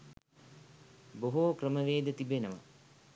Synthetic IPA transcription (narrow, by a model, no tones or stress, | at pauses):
boɦoːkrəməʋeːd̪ət̪ibenəʋa̰